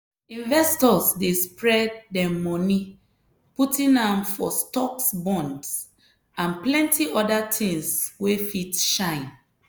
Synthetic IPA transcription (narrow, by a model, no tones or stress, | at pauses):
ĩnvɛstɔsdespɹɛd̚ːɛmɔni | putʰĩnãmfɔstɔksbɔ̃nds | ãnplɛ̃ntiɔdatʰĩŋswefitʃãɪ̃n